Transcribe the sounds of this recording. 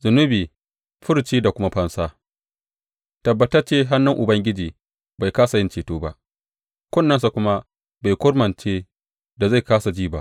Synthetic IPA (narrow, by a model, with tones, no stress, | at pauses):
zʊ˨nʊ˦biː˨ | ɸʊ˦ɾt͡ʃiː˦da˨kʷʊ˦ma˦ɸɐ˦nsaː˦ | tɐ˨bːɐ˦tɐ˦rt͡ʃeː˦ɦa˦nːʊ˦ŋʔʊ˨bɐ˦ŋɡʲɪ˦d͡ʒiː˨ | ba˨jkaː˦sa˨jɪ˦nt͡ʃeː˨toː˦ba˦ʔ | kʷɔ˦˨nːɐ˦nsa˨kʷʊ˦ma˦ | ba˨jkʷʊ˦rmɐ˨nt͡ʃeː˦ | da˨za˦˨jkaː˦sa˨d͡ʒiː˦ba˦ʔ